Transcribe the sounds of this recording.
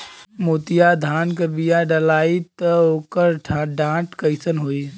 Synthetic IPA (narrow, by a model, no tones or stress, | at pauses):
moːt̪ijad̪ʱaːnkəbijaɖɐlaːit̪əoːkəɾʈʰɖãːʈkəɪsənɦoːi